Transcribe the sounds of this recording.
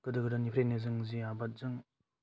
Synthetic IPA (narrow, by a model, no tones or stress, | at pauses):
kɯdɯɡɯdɯnipʰɾenezɯŋziabat̚zɯŋ